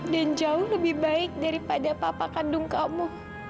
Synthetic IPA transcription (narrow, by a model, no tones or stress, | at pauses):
dand͡ʒaʊhləbɪhbaɪk̚daɾipadapapakadʊŋkamu